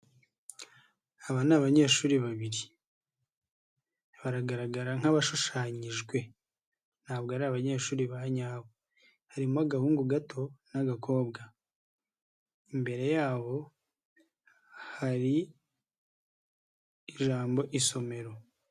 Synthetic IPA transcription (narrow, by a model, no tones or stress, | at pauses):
aβanaβaɲe̞ːʃuːɾiβaβiɾi | βaɾaɡaɾaɡaɾaŋ̥aβaʃuʃaɲiʒɡwe̞ | n̥haːβɡoaɾiaβaɲe̞ːʃuːɾiβaɲaːβo | haɾimuaɡahuːŋɡuɡatʰo̞naɡakʰo̞ːbɡa | imbe̞ɾe̞jaːβo̞ | haɾi | iʒaːmbo̞ʔiso̞me̞ɾo̞